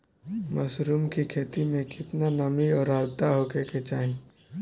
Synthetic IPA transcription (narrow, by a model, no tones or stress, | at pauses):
mɐsɾuːmkikʰeːt̪imẽkɪt̪nanɐmiɔːɾaːɾt̪aɦoːkʰeket͡ʃaːɦẽ